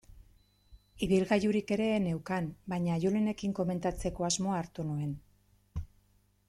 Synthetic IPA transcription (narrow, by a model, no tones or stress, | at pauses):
iβilɣajuɾike̞ɾe̞ne̞wkanbaɲaːʝulene̞kiŋko̞me̞nt̪at͡se̞ko̞azmo̞aːɾt̪unue̞n